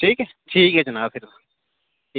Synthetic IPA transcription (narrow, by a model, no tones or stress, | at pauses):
ʈʰiːkɦɛ | ʈʰiːkɦɛd͡ʒɐnaːbpʰfɪɾ